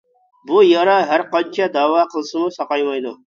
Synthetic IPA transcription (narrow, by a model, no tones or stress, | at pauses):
bujɑɾɑɦæɾqɑnt͡ʃʰɑd̪ɑːwɑːqʰəlˠsɨmusɑqɑjmɑjd̪u